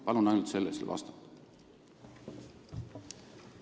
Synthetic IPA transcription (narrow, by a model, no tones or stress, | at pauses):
pɑlunɑjnult̪se̞lːeselvɑ̰st̪ɑ̥t̪ːˑ